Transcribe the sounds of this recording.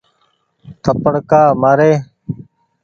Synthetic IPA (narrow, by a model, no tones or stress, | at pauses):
t̪ʰəpəɽkaːmaːɾeː